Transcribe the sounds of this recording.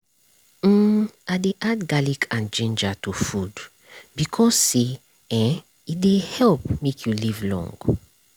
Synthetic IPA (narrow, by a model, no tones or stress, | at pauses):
adeʔad̚ɡalikʰãnd͡ʒẽnd͡ʒatufud | bikʰɔsːe | ɛ̃ | it̚dehɛlpmekʰjulivlɔ̰̃ŋɡ